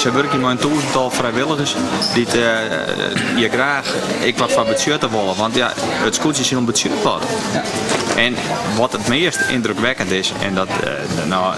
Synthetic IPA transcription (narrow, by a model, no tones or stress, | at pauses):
sɛʋøɾəkjəmɔjəntuːsntɔlˠfrɛjʋɪlˠəɣəsdit | jɛɡraːxɪkʋɔtfɔbətsjøtəʋolˠəʋɔntjaətskusjɪshilˠbətsjøtʋɔ̰t | ʔɛnʋɔtətmɪəstɪ̰ndrøkʋɛkəntɪsɛ̰ndɔt | nɔ